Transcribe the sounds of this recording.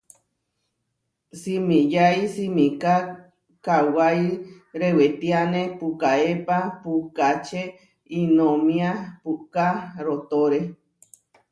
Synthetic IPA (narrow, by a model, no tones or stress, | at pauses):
simĩjajsimĩka | kawaj | ɾewet̪ianẽpukaepapukat͡ʃe | inõmĩapukaɾot̪oɾe